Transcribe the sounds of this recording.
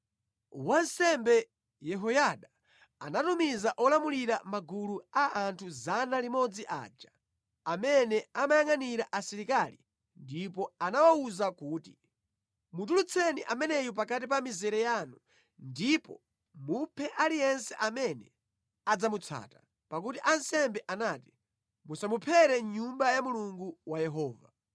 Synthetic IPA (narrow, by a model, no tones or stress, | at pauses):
wansɛmbɛ | jɛɦɔjaɗa | anatumizaʔɔlamuliɾamaɡuluaantʰuzanalimɔd͡ziʔa̰ːd͡ʒa | amɛnɛamajaŋaniɾaʔasiɾikalḭ | ndip̬ɔanawauzakuːti̥ | mut̬ulut͡sʰɛniʔamɛnɛjup̬ak̬at̬ip̬amizɛɾɛjanu | ndipɔ̰ | mupʰɛʔalijɛnsɛʔamɛnɛ̰ | ad͡zamut͡sʰa̰ːta | pak̬utiʔansɛmbɛʔanaːti | musamupʰɛɾɛɲumbajamuluŋɡuwajɛɦɔːva̰